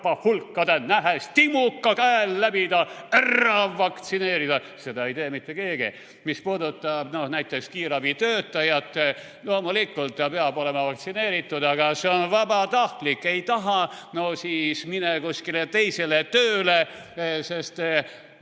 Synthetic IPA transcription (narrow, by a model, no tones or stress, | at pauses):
pɑhulkːɑd̪enæɦest̪imukːɑkæelːæbid̪ɑerːɑʋːɑkt̪sine̞ːɾid̪̥ɑ | se̞d̪ɑejt̪eːmit̪ːˑekeːɡ̥ḭ | mispuːd̪ut̪ːˑɑb̥no̞hnæjt̪ːˑe̞kskiːɾɑbit̪øːt̪ːˑɑjɑt̪ˑːe | loːmulikːˑult̪ˑːɑpeɑbo̞le̞mɑvɑk̚t̪sine̞ːɾit̪ːˑud̪ɑɡ̥ɑseonvæbɑt̪ɑht̪likːe̞jt̪ɑɦɑnosiːsminekusʲkilet̪e̞jse̞let̪øːle | se̞st̪